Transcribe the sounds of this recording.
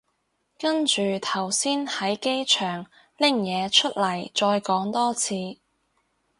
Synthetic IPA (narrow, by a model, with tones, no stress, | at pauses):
kɐ˥nt͡ʃyː˨t̪ʰɐ˨˩wsiː˥nhɐ˨˥jke˥jt͡ʃʰœː˨˩ŋ | lɪ˥˩ŋjɛː˨˧t͡ʃʰɵ˥t̚lɐ˨˩jt͡ʃɔː˧jkɔː˨˥ŋt̪ɔː˥t͡sʰiː˨˧